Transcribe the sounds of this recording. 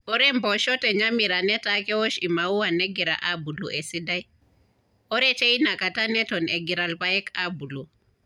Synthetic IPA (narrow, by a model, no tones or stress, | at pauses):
ɔɾɛmbɔʃɔtɛɲamiɾanɛtakɛwɔʃimauwanɛɡiɾa̰ʔabuluʔɛsidaj | ɔɾɛt͡ʃeinakatanɛtɔnɛɡiɾalpajɛkabulu